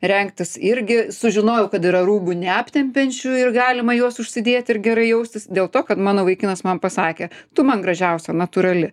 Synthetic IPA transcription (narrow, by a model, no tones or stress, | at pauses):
ɾʲɛŋkt̪ʲɪsɪɾʲɡʲɪsʊʒʲɪnoːjɛʊkɐt̪ɪɾɐɾuːbunʲɛɐpʲt̪ʲɛmʲpʲɛnʲt͡ʃʲuɪrɡɑːlʲɪmɐjuɔsʊʃʲsʲɪd̪ʲeːt̪ʲɪrɡʲɛɾɐɪjɛʊsʲt̪ʲɪsd̪ʲeːlˠt̪oːkɐt̪mɑːnoːʋɐɪkʲinɐsmɐmpɐsɑːkʲeːt̪ʊmɐnɡɾɐʒʲɛʊsʲɛnɐt̪uɾɐlʲɪ